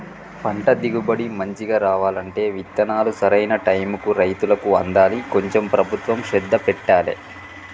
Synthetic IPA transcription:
pɐɳʈɐd̪iɡubɐɽimɐɲt͡ʃiɡaːɾaːʋaːlɐɳʈe̞ːʋit̪ːɐnaːlusɐɾɐjnɐʈɐjmukuɾɐjt̪ulɐkuɐnd̪aːliko̞ɲt͡ʃe̞mpɾɐbʱut̪ʋɐmʃɛd̪ːɐpɛʈːaːlḛ

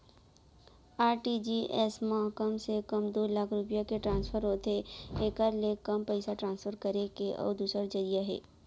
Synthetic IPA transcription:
aːɾʈid͡ʒiʔɛsmaɦkəmsekɐmd̪oːlaːkʰɾʊpijakeʈɾãːnspʰəɾɦoːt̪eeːkɐɾlekɐmpəɪsaʈɾãːnsfʰəɾkɐɾekeʔɔ̰ːɾd̪uːsəɾd͡ʒɐɾijaɦɛ̰ː

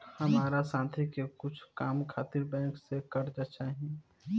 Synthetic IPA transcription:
həmaːɾasãːt̪ʰikekʊt͡ʃʰkaːmkʰaːt̪ɪɾbɛ̃ːŋksekəɾd͡ʒat͡ʃaɦi

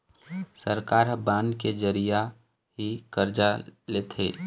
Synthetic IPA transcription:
səɾkaːɾɦbaːnked͡ʒəɾija | ɦikəɾd͡ʒaleːt̪ʰḛː

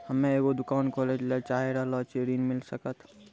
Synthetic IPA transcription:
həmẽeɡod̪ʊkaːnkɔled͡ʒlet͡ʃaɦeɾəɦlɔt͡ʃeɾinmilsəkət̪ʰ

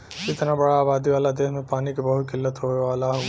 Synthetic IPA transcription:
kɪt̪nabɐɽaːbaːd̪iʋaːlad̪eːɦmẽpaːnikibɐɦʊt̪̚kɪlːət̪ɦoːeʋaːlaɦ

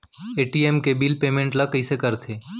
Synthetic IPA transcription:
eːʈiemkebiːlpeːmẽɳʈlakəisekəɾt̪ʰeː

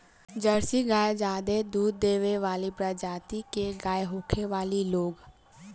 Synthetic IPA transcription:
d͡ʒəɾsiɡaːjd͡ʒaːd̪ed̪uːd̪ːeːʋeʋaːlipɾad͡ʒaːt̪ikeɡaːjɦoːkʰeʋaːliloːɡ

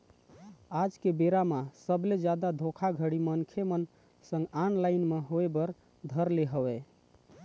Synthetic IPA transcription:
ad͡ʒkebeɾamasəbled͡ʒjad̪ad̪ʱokʰaɡʱəɽimənkʰemən | sə̃ŋɡanlaɪnmeɦoebəɾ | d̪ʱəɾleɦəwɛ

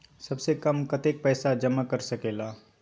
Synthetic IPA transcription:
sɐbsekɐmkɐt̪eːk̚pɛːsad͡ʒɐmakɐɾsɐkeːlaː

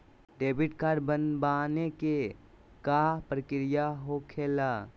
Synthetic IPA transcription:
ɖeːbɪʈkaːɾɖbənbaːneke | kapɾəkɾɪjaɦokʰeːlaː

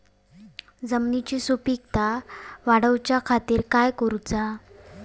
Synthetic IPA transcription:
d͡zəmnit͡ɕiːsupik̚t̪aʋaɽəwt͡ɕjakʰat̪iːɾkajkəɾut͡sa

